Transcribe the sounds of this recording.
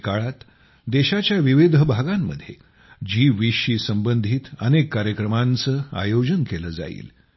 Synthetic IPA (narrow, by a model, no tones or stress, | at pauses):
kaɭat̪ | d̪eɕat͡ɕjaʋiʋid̪ʱəbʱaɡamːə̰d̪ʱjḛ | d͡ʑiːʋiʂiːsəmbənd̪ʱiːt̪ənekːaɾjəkɾəmant͡səːa̰jod͡ʑənkeləːd͡za̰ḭːl